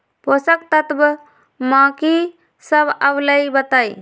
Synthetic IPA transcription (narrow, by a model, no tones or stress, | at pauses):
posək̚t̪ət̪b | mãːki | səbəbləjbət̪aj